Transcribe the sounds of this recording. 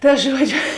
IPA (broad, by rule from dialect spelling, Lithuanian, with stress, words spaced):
ˈtɐ ˈʒuɔd͡ʒʲʊ